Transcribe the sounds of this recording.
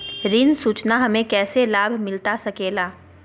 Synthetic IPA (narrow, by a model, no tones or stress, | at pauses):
ɾɪnsuːt͡ʃnaɦɐmẽkɛːselaːbʱmɪlt̪asɐkeːlaː